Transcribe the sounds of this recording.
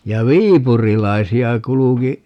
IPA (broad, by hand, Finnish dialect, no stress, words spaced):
jɑ ʋiːpurilɑisiɑ kuluki